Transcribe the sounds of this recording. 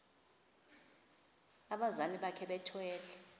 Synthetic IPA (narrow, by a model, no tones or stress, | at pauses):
aɓazaniɓakʰɛɓɛtʰwɛːlɛ